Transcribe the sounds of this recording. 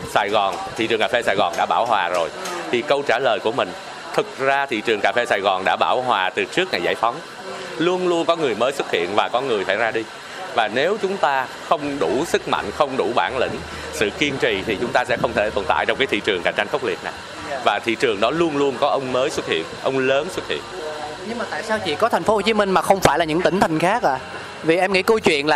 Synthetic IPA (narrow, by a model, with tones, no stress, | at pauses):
saː˧˩jɣɔ˨˩nt̪ʰḭ˧˨t͡ɕɨ˨˩ŋkaː˨˩fe˧saː˧˩jɣɔ˨˩nɗa̰ː˧˥ɓaː˧˩whwaː˨˩zo˨˩jt̪ʰi˨˩kə˧wt͡ɕaː˧˩ləː˨˩jku˧˩əmï˨˩ŋ̟ | t̪ʰɨ˨˩k̚zaː˧t̪ʰḭ˧˨t͡ɕɨ˨˩əŋkaː˨˩fe˧saː˧˩jɣɔ˨˩nɗa̰ː˧˥ɓaː˧˩wɦwaː˨˩t̪ɨ˨˩t͡ɕɨ˦˥ək̚ŋaː˨˩jzaː˧˩jfɔ˨˦ŋ͡m | lu˧ənlu˧ənkɔ˨˦ŋɨ˨˩əjməː˨˦jswə˦˥t̚hḭ˧˨ənvaː˨˩kɔ˨˦ŋɨ˨˩əjsaː˧˩jzaː˧ɗi˧ | vaː˨˩ne˨˦wt͡ɕʊ˨˦ŋ͡mt̪aː˧ | xə˧wŋ͡mɗu˧˩sɨ˦˥k̚ma̰˧˨ŋ̟xə˧wŋ͡mɗu˧˩ɓaː˧˩nlï˧˩ŋ̟ | sɨ̰˧˨ki˧ənt͡ɕi˧˨˩t̪ʰi˨˩t͡ɕʊ˨˦ŋ͡mt̪aː˧sɛ̰˧˥xə˧wŋ͡mt̪ʰe˧˩t̪o˨˩nt̪a̰ː˧˨jt͡ɕɔ˧wŋ͡mkaː˨˦jt̪ʰḭ˧˨t͡ɕɨ˨˩ŋka̰˧˩jt͡ɕa˧jŋ̟xə˦˥wk͡p̚li˨˩ət̚na˨˩j | vaː˨˩t̪ʰḭ˧˨t͡ɕɨ˨˩əŋɗɔ˨˦lu˧ənlu˧ənkɔ˨˦ʔə˧wŋ͡mməː˨˦jswə˦˥t̚hḭ˧˨ənʔə˧wŋ͡mləː˨˦nswə˦˥t̚hḭ˧˨ən | ɲɨ˧ŋmaː˨˩t̪a̰ː˧˨jsaː˧wt͡ɕḭ˧˨kɔ˨˦t̪ʰŋ̟fo˨˦ho˨˩t͡ɕi˨˦mï˧ŋ̟maː˨˩xə˧wŋ͡mfaː˧˩jlaː˨˩ɲɨ̰˧˥ŋt̪ï˧˩ŋ̟t̪ʰa˨˩ŋ̟xaː˦˥k̚ʔaː˧˨˩ | vi˨˩ʔɛ˧mŋḭ˧˥kə˧wjt͡ɕwḭ˧˨ənlaː˨˩